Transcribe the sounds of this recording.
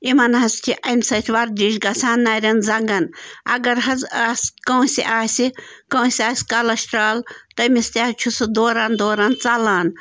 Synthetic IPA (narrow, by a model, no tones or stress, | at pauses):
imɐnɦɐst̪ʰʲiʔɐmʲsɐt̪ʰʲʋɐɾd̪ʲiʃɡɐsʰaːnːɐɾʲɐnzɐŋɡɐnɐ̰ɡɐɾɦɐzaːskɐwsʲiʔaːsʲikɐ̃wsʲaːsʲkɐlɐʃt̪ɾaːlt̪ɐmist̪ʲaht͡ʃʰusɨd̪oːɾand̪oːɾant͡sɐlaːn